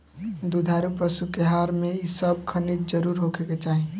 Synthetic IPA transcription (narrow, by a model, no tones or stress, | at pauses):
d̪ud̪ʱaɾupəsukeɦaɾmeisəb̚kʰənit̪̚d͡ʒəɾuɾɦokʰeket͡ʃaːɦi